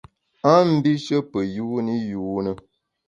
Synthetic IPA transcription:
a˦m̩˦bi˦ʃə˦pə˨ju˦ni˦juː˨˦nə˦

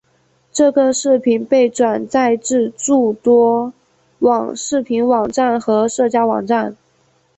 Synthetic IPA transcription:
ʈ͡ʂɤ˥˩ɡə˨ʂɻ̩˥˩pʰi˨˩npe˥˩ɪʈ͡ʂwa˨˩nt͡sa˥˧ɪʈ͡ʂɻ̩˥˧ʈ͡ʂu˥˩t̪wɔ˥ | wɑ˨˩ŋʂɻ̩˥˩pʰi˧˥nwɑ˨˩ŋʈ͡ʂa˥˩nxɤ˧˥ʂɤ˥˧t͡ɕja˥wɑ˨˩ŋʈ͡ʂa˥˩n

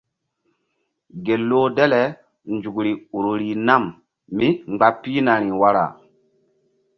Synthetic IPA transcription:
ɡe˨lːo˦dɛ˦lɛ˨ | nd͡ʒu˨kɾi˨u˨ɾo˨ɾi˨na˦˨m | mi˦ŋ͡mɡ͡ba˦pːi˦na˨ɾi˨wa˦ɾa̰˨

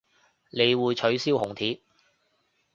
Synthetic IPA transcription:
ne˨˧jwuː˨˧jt͡ʃʰɵ˨˥ɥsiː˥whʊ˨˩ŋt̪ʰiː˨˥

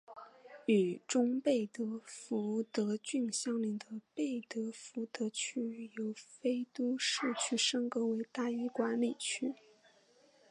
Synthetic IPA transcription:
y˨˩ʈ͡ʂʊ˥ŋpe˥˩ɪt̪ɤ˧˥fu˧˥t̪ɤ˧˥t͡ɕy˥˧nɕjɑ˥ŋli˧˥ŋd̪ə˧pe˥˩ɪt̪ɤ˧˥fu˧˥t̪ɤ˧˥t͡ɕʰy˥jo˧˥ʊfe˥ɪt̪u˥ʂ̩˥˩t͡ɕʰy˥ʂə˥ŋkɤ˧˥we˧˥ɪt̪a˥˩y˥kwa˧˥nli˨˩t͡ɕʰy˥

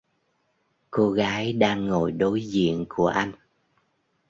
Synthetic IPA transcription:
ko˧ɣaː˨˦jɗaː˧ŋːo˧˨jɗo˨˦jzḭ˧˨ənku˧˩əʔa˧jŋ̟

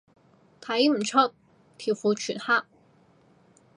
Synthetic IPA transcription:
t̪ʰa˧i˥m̩˨˩ʈ͡ʂʰɑ˥˩k̚ | t̪ʰi˨˩fu˧˥t͡ɕʰy˨˩nxa˥

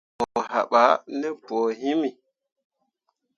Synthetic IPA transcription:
o˨ɦa̰˨ɓa˨˦ni˦po˨ɦi˦mi˨

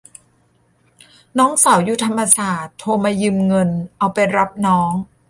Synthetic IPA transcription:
nɔː˦˥ŋsa˩˦wjuː˧˩t̪ʰa˧mːa˧saː˨˩t̪ʰːoː˧maː˧jɯ˧mŋɤ˧nʔa˧wpa˧jɾa˦˥p̚nɔː˦˥ŋ

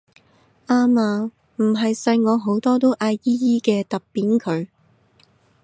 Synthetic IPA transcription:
ʔaː˥maː˧ | m̩˨˩ɦɐ˨jsɐ˧jŋɔː˨˧ɦo˨˥wt̪ɔː˥t̪o˥wʔaː˧jiː˥jiː˥kɛː˧t̪ɐ˨ppːiː˨˥nkʰɵ˨˧ɥ

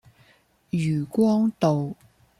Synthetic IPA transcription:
jyː˨˩kʷwɔː˥ŋt̪o˨w

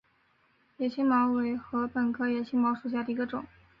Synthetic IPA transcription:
jɛ˨˩ɕʰi˥ŋmɑ˧˥ʊwe˧˥ɪxɤ˧˥pə˨˩nkʰɤ˥jɛ˧˩ɕʰi˥mɑ˧˥ʊʂu˨˩ɕja˥˩d̪ə˩i˧˥ɡə˧ʈ͡ʂʊ˨˩˦ŋ

